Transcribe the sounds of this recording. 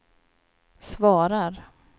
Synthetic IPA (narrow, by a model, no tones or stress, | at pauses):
svɑːɾaɾ